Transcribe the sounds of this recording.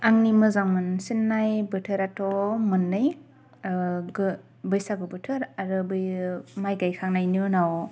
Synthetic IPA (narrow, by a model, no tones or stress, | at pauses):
aŋnimɯzaŋɯnsinːajbɯtʰɯɾatʰɔmɯnːɯj | ɡɯ | bɯjsaɡɯbɯtʰɯɾaɾɯbɯjmajɡajkʰaŋnajnɯnaw